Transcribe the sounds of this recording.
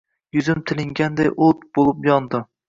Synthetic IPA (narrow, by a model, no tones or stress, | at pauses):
jʊzɪmt̪ʰɪlɪŋɡʲand̪ajʔot̪b̥olˠɪpjɒnd̪ɪ